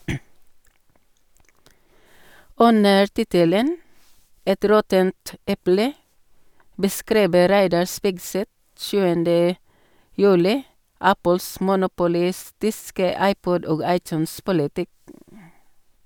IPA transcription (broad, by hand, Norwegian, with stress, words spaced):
ˈʉnəɾ ˈtɪtələn ˈɛt ˈɾɔtənt ˈɛplə bəˈskɾiːbə ˈɾæɪdɑɹ ˈspɪɡˌsɛt ˈʃʉːəndə ˈjʉːlɪ ˈæpəls mʊnʊpʊˈlɪstɪskə ˈɑɪˌpɔd ˈoːɡ ˈɑɪˌtʉːnˌspʊlɪtɪk